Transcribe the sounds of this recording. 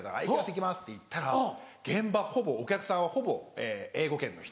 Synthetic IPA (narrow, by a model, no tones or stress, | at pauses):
t̪aa̰ikasek̬ʲimasɨ̥t̪ːeit̪ːaɾaɡ̥ẽ̞mbaho̞bo̞ːkʲakɯ̟sãɰ̃βaho̞bo̞eːeːɡo̞kẽ̞nːo̞̰çi̥t